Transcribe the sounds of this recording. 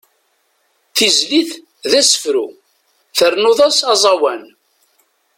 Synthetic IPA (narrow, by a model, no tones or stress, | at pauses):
θizliθ | ðæsə̥fɾu | θəɾnoðˤɑsɑzˤɑwæn